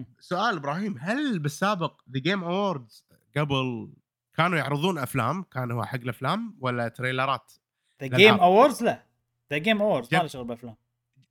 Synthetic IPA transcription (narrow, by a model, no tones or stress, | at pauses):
sʊʔaːlɪbɾˤɑːhiːmɦalbɪsːaːbɪq̚ðaɡeːmʔawaːɾˤd̪z̥ | ɡabɪl | kaːnujʊʕɾɨðˤuːnʔafla̰ːmkaːnhuːħaɡːɪlʔaflaːmwalːat̪ɾejlɑɾˤɑːt̪ | ðalaeːmʔawaːɾd̪zla | ðaɡeːmʔawaːɾd̪zd͡ʒalʃʊɣɾbɪlʔaflaːm